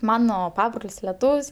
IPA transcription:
ˈmɑːnoː ˈpɑːbroːlʲsʲ lʲɛˈtuːwsʲ

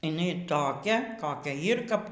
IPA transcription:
ɪˈnɐɪ toːˈkʲɛ koːˈkʲɛ ˈjiːr kɐp

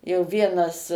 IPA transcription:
jɛʊ ˈʋʲiɛnɐs

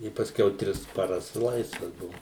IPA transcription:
ɪ pɐsʲˈkʲɛʊ ˈtʲrʲɪs pɐˈrɐs ˈlˠɐɪsʋɐs ˈbʊʋʊ

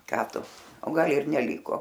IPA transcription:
ˈkɑː ˈtʊ oː ˈɡɐlˠ ɪr nʲɛˈlʲiːkoː

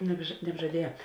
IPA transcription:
nʲɛbʒɐ nʲɛbʒɐˈdʲiɛjɛ

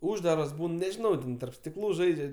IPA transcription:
ˈuːʒdɐrɐs ˈbuːn nʲɛʒʲɪˈnɐʊ ˈtʲɛn tɐrp sʲtʲɪˈklˠuː ˈʒɐɪd͡ʒʲɛ

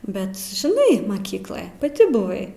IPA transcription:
ˈbʲɛt ʒʲɪˈnɐɪ mɐˈkʲiːklˠoːj pɐˈtʲɪ bʊˈʋɐɪ

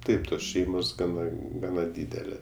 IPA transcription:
ˈtɐɪp ˈtoːs ˈʃʲɛɪmoːs ˈɡɑːnɐ ˈɡɑːnɐ ˈdʲiːdʲɛlʲeː

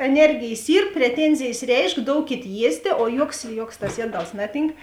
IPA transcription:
ɛˈnʲɛrʲɡʲeːjs ˈiːr pʲrʲɛˈtʲɛnʲzʲeːjs ˈrʲɛɪʃk ˈdoːʊkʲeːt ˈjiɛsʲtʲeː oː ˈjuɔks ˈjuɔks tɐs ˈjiɛˌdɐlˠs ˈnɑːˌtʲiːŋk

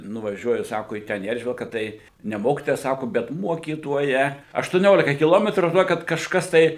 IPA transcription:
nʊʋɐˈʒʲuɔjʊ ˈsɑːkoː iː ˈtʲɛn iː ˈɛrʲʒʲʋʲɪlˠkɐ ˈtɐɪ ˈnʲɛ ˈmoːkʲɪtoːjɛ ˈsɑːkʊ bʲɛt ˈmuɔkʲiːtoːjɛ ɐʃtʊˈnʲoːlʲɪkɐ kʲɪˈlˠoːmʲɛtruː ʒʲɪˈnoːkʲɪt kɐʃˈkɐs tɐɪ

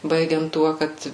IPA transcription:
ˈbɐɪɡʲɛnt ˈtuɔ ˈkɐt

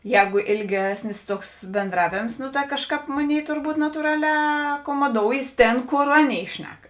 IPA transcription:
ˈjɛːɡʊ ɪlʲˈɡʲæːsʲnʲɪs ˈtuɔks bʲɛnˈdrɑːʋʲeːms nʊ tɐ ˈkɑːʃˌkɑːp ˈmoːˌnʲeːɪ tʊrˈbuːt nɐtuːˈrɑːˌlʲɛː ɐkoːmoːˈdoːʊjeːs ˈtʲeːn ˈkoːr ˈɑːˌnʲeːɪ ˈʃʲnʲɛk

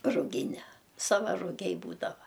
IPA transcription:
rʊˈɡʲɪnʲɛ ˈsɑːʋɐ rʊˈɡʲɛɪ ˈbuːdɐʋɐ

